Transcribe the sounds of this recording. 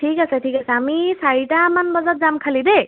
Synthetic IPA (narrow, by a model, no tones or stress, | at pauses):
ʈʰikaseʈʰikaseamisaɹiʈamanbɔzat̚zamkʰalibe